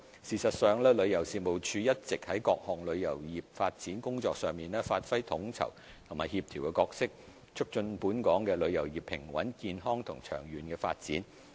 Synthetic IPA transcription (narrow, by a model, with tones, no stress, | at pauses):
siː˨˩sɐ˨t̚sœː˨ŋlɛː˥lɵ˨˧ɥjɐ˨˩wsiː˨mo˨˩wt͡ʃʰyː˧jɐ˥t̚t͡sɪ˨k̚hɐ˨˥jkɔː˧k̚hɔː˨˩ŋlɵ˨˧ɥjɐ˨˩wjiː˨p̚faː˧t̚t͡siː˨˥nkʊ˥ŋt͡sɔː˧k̚sœː˨˧ŋmiː˨nlɛː˥faː˧t̚fɐ˥jt̪ʰʊ˨˥ŋt͡sʰɐ̰˨˩w | t̪ʰʊ˨˩maː˨jhiː˧p̚t̪ʰiː˨˩wkɛ˧kɔː˧k̚sɪ˥k̚ | t͡ʃʰʊ˥k̚t͡ʃɵ˧npuː˨˥nkɔː˨˥ŋkɛː˧lɵ˨˧ɥjɐ˨˩wjiː˨˩pʰːɪ̰˨˩ŋwɐ̰˨˥nkiː˧nɦɔː˥ŋt̪ʰʊ˨˩ŋt͡ʃʰœ̰ː˨˩ŋjyː˨nkɛː˧fa̰ː˧t̚t͡siː˨˥n